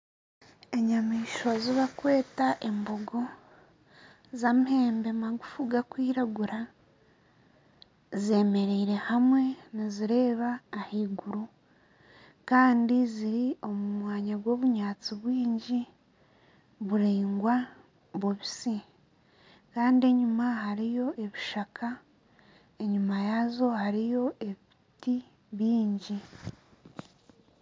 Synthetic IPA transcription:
e̞ɲamiːʃwaziβakwe̞ːtaʔe̞mboɡo̞ | zamihe̞ːmbe̞maɡufuɡakwiːɾaɡuɾa | zie̞me̞ɾeiɾe̞hamwe̞niziɾe̞ːβaːhiːɡuɾu | kaːndiziɾio̞mumwaːɲaɡwo̞ːβuɲaːt͡siβwiːɲɟi | βuɾiːŋɡwa | βuβisi | kaːndie̞ɲumaɦaɾijo̞ʔe̞βiʃakʰa | e̞ɲumajazo̞haɾijo̞ʔe̞βiti | βiːɲɟi

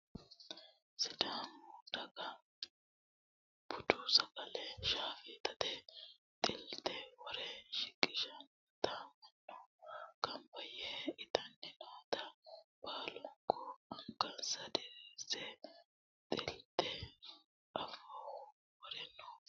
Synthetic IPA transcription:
sɪd̪aːnoːt̪ɐkɐ | bʊt̪ʊsɐkʼɐlɛʃaːfɪt̪ɐt̪ɛ | t̪ʼɪlt̪ɛwɔɾɛʃɪkʼːɪʃɐnː | t̪amɐnːɔkɐmbɐjɛɪt̪ɐnːɪnoːt̪ɐbaːlɔŋkʰːɔɐŋkɐnsɐd̪ɛɾiːsɛ | t̪ʼɪlt̪ɛ | ɐfːawɔ | wɔɾɛnːɔ

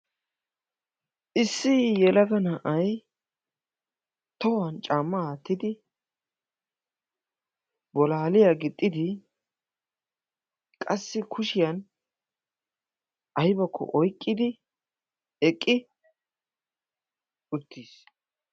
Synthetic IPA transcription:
ʔɪsːɪjɛlɐɡɐnɐʔɐj | t̪ɔwɐnt͡ʃʼaːmːɐaːt̪ːɪd̪ɪ | bɔlaːlɪjaːɡɪt̪ʼːɪd̪ɪ | kʼɐsːɪkʰʊʃɪjɐn | ʔɐjbɐkʰːɔ̰ʔɔjkʼːɪd̪ɪ | ɛkʼːɪ | ʊt̪ʰːiːs

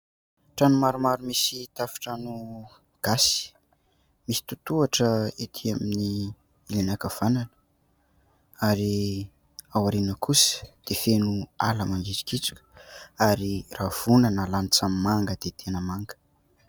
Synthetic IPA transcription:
ʈ͡ʂanumaɾumaɾumisit̪afi̥ʈ͡ʂanu | ɡ̥asi̥ | misi̥t̪ut̪uaʈ͡ʂəit̪ʰiamini | ilinakav̥ananə̥ | aɾi | awaɾinəkʰusə̥d̪̥efenua̰ləmaŋɡit͡si̥kit͡su̥kʲə̥aɾirav̥unanəlanit͡sammaŋɡəd̪̥et̪ʰenəmaŋɡə̥

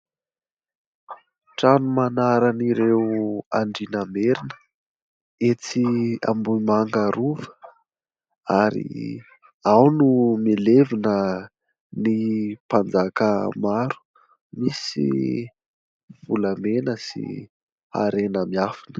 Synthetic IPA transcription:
ʈ͡ʂanumanaɾaniɾeaɳɖ͡ʐinameɾinə̥ | et͡sia̰mbumaŋɡaɾuvə̥ | aɾḭ | awnumelevinə | nipand͡zakəmaɾu̥ | misḭ | vulamenəsḭ | a̰ɾenəmiafinə̥

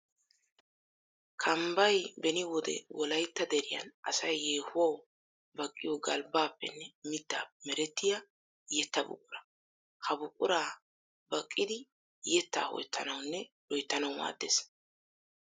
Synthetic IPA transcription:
kʰɐmbɐjbɛnɪwɔd̪ɛ̰wɔlɐjt̪ːɐd̪ɛɾɪjɐ̰nʔɐ̰sɐjːeːhʊwɐw | bɐkʼːɪjɔɡɐlbaːpːɛ̰nːɛmɪd̪ːa̰ːmɛɾɛt̪ːɪjɐ | jɛt̪ːɐbʊ̰kʼːʊɾɐ | kʰɐbʊkʼʊɾaː | bɐkʼːɪd̪ɪ | jɛt̪ːa̰ːhɔ̰jt̪ʰːɐnɐwnːɛlɔjt̪ːɐnɐwma̰ːd̪ːeːs

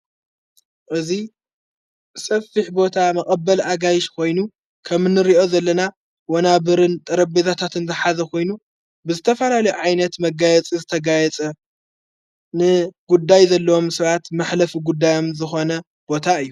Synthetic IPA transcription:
ʔɨzi | sɐfːɨħbo̞t̪ʰamɐχʼɐbːɐlaɡajɪʃkʰo̞jnu | kʰɐmnɨɾiʔo̞zɐlːɐna | wonaβɨɾɨnt̪ʼɐɾɐbbezʰat̪ʰat̪ɨnzɨħazɐkʰo̞jnu | bɨzɨt̪ʰɐfɐlalɐjuʕajnɐt̪mɐɡajɛt͡sʼizɨt̪ʰɐɡajɛt͡sʼɐ | nɨɡ̥ud̪ːajzɐlːɐwo̞msɐβat̪mɨħlɐfuɡud̪ːajo̞mzɨxo̞nɐ | b̥o̞t̪ʰaɨjːu

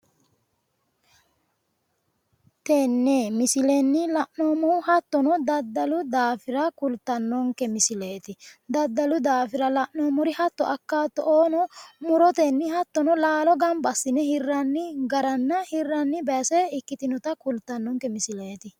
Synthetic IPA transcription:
t̪enːeːmɪsɪlɛnːɪlɐʔnoːmʊhɐt̪ːɔnɔd̪ɐd̪ːɐlʊd̪aːfɪɾɐkʊlt̪ːɐnːɔŋkɛmɪsɪleːt̪ɪd̪ɐd̪ːɐlʊd̪aːfɪɾɐlɐʔnoːmʊɾɪhɐt̪ːɔɐkːaːt̪ːɔʔoːnɔmʊɾɔt̪ɛnːɪhɐt̪ːɔnɔlaːlɔɡɐmbɐsːɪnɛhɪrːɐnːɪɡɐɾɐnːɐhɪrːɐnːɪbɛːsɛɪkːɪt̪ɪnɔt̪ɐkʊlt̪ːɐnːɔŋkɛmɪsɪleːt̪ɪ

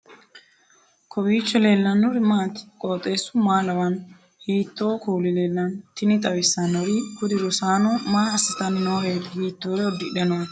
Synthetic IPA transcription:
kʰɔbiːt͡ʃːɔle̞ːlːɐnːɔɾɪmaːt̪ɪ̥kʼoːt̪ʼːe̞ːsːʊmaːlɐwɐn | hiːt̪ːoːkuːlɪle̞ːlːɐnt̪ɪnɪt̪ʼɐwɪsːɐnɔɾɪhʊd̪ɪɾɔsaːnɔmaːɐsɪt̪ɐnɪnoːhe̞ːt̪hiːt̪ːoːɾɛɔd̪ːɪᶑɛnɔn

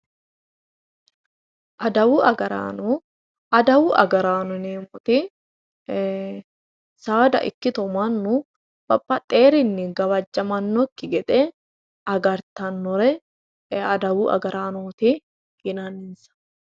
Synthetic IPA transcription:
ʔɐd̪ɐwuɐɡɐɾa̰ːnɔ | ɐd̪ɐwuʔɐ̰ɡɐɾaːnʊneːmɔt̪ɪ | saːd̪ɐ̰ʔɪ̰kːɪt̪ɔmanːʊ | b̥ɐpʼːɐt̪ʼeːɾɪnːɪɡɐwɐd͡ʒːɐmɐnːɔkːɪɡɛt̪ʼɛ | ɐɡɐɾt̪ɐnːɔɾɛ | ɐd̪ɐwuʔɐ̰ɡɐɾaːnoːt̪ɪ | hɪnaːnɪnsɐ̥

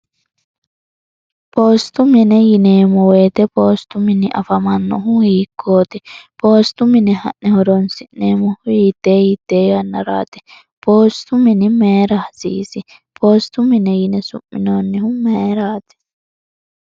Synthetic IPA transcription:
poːst̪uminɛjineːmɔweːt̪ɛpoːst̪uminiʔɐfɐmɐnːɔ̰ɦũhiːkʰːoːt̪ɛpoːst̪uminɛhɐ̰ʔnɛhɔɾonsineːmuhujiːt̪eːjit̪eːɡɐnːɐɾa̰ːt̪ɛ̥ | poːst̪uminimeːɾɐhsḭːsi | pʰoːst̪uminejinɛsṵʔːinoːnːiɦumeːɾaːt̪ɛ̥

